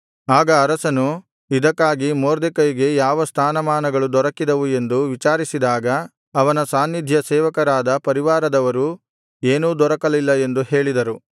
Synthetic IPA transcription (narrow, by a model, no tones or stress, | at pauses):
aːɡɐːɾɐsɐnu | id̪ɐkːaːɡimoːɾd̪ekɐjiɡe̞jaːʋɐst̪ʰaːnɐmaːnɐɡɐɭud̪ɔɾɐkːid̪ɐʋue̞nd̪uʋit͡ʃaːɾisid̪aːɡɐː | ʋɐnɐsaːnːid̪ʱjɐsɛːʋɐkɐɾaːd̪ɐpɐɾiʋaːɾɐd̪ɐʋɐɾu | eːnuːd̪ɔɾɐkɐlilːɐe̞nd̪uhe̞ːɭid̪ɐɾu